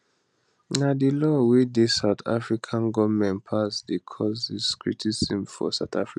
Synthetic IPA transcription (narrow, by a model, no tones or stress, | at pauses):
nadilɔwidisaʊt̪ʰa̰fɹikʰãnɡɔvmɛ̃npʰasdekʰɔziskʰɹḭtʰisĩmfɔ̰saʊt̪afɹi